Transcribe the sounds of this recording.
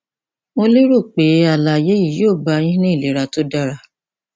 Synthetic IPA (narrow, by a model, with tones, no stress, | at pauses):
mo˦li˦ɾo˦˨k͡pe˨˦a˨la˨je˨˦ji˦˨joː˦˨ba˧j̃ĩ˦nĩ˦i˦˨le˨˦ɾa˧to˦da˧ɾa˧